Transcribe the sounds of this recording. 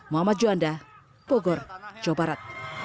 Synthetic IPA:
muamad͡ʒuanda | b̥ɔɡɔrt͡ʃɔbaɾat̪̚

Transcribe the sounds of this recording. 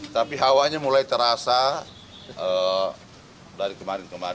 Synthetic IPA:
t̪apiɦawaɲamulajt̪əɾasa | ə | daɾikəmaɾɪnkəma

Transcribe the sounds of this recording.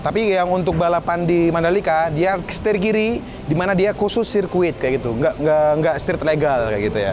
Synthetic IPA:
t̪apijaŋunt̪ʊk̚balapandimandalikadiḁst̪irkiɾi | dimanadiakusʊsirkuɪt̪̚kajaɡit̪uŋɡaʔŋɡaŋɡaʔst̪ɪrt̪ərleɡalkaʔɡit̪uja̰

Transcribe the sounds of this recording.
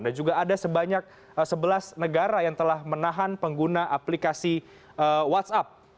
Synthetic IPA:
dand͡ʒuɡaːdasəbaɲak̚ | səbəlasnəɡaɾajaŋt̪əlahmənaɦanpəŋɡunaʔaplikasi | əwat̪sap̚

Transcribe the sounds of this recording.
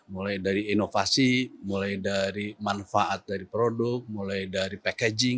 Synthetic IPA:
mulajdaɾiːnofasimulajdaɾimanfaʔat̪̚daɾipɾodʊk̚mulajdaɾipakɛd͡ʒɪŋ

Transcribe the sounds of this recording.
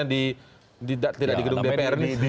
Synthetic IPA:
adi | didaʔt̪idakdiɡədʊŋdepeɛɾni

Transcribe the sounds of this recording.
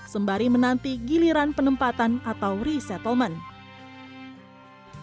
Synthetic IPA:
səmbaɾimənant̪iɡiliɾanpənəmpat̪anat̪awɾisɛt̪əlmən

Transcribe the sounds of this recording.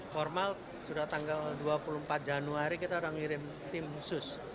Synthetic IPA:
fɔrmal | sudat̪aŋɡalduapulumpat̪̚d͡ʒanuaɾikit̪aɾaŋiɾɪm | t̪ɪmhusʊs

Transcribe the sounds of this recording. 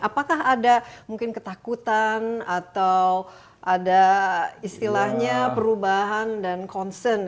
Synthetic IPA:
ʔapakaɦadamuŋkɪnkət̪akut̪anat̪aw | ʔadaist̪ilahɲapəɾubaɦandankɔnsərn

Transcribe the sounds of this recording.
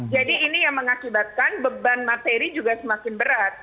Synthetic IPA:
d͡ʒadiːnijaŋməŋakibat̪̚kanbəbanmat̪eɾid͡ʒuɡasəmakɪnbəɾat̪̚

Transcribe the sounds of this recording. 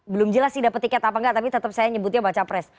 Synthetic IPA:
bəlʊmd͡ʒəlasːidapət̪ikɛt̪apaŋɡaʔt̪apit̪ət̪əp̚sajaɲəbut̪̬̚ɲabat͡ʃapɾɛs

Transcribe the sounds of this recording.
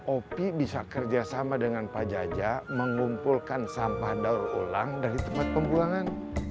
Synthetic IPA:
ʔopibisakərd͡ʒasamadəŋanpad͡ʒad͡ʒaməŋumpulkansampahdaurolaŋdaɾit̪əmpat̪̚pəmbuaŋan

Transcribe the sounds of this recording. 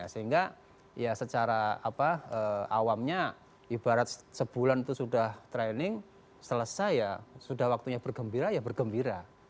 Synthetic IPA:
asəɦiŋɡa | jasət͡ʃaɾaapaəːa̰wamɲa | ʔibaɾat̪̚səb̥ulanit̪usudaht̪ɾɛnɪŋ | sələsajjasudahwak̚t̪uɲabərɡəmbiɾajabərɡəmbiɾa

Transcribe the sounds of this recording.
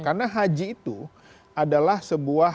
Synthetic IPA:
karnaɦad͡ʒiːt̪u | adalahsəbua

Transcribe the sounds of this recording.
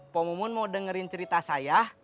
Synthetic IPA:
pɔmɔmʊnmaudəŋəɾɪnt͡ʃəɾit̪asajah

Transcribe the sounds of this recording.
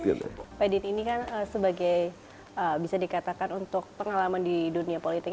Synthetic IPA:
n̰pedit̪inikanəsəbaɡaj | əbisadikat̪akanunt̪ʊk̚pəŋalamandiduniapolit̪ɪk

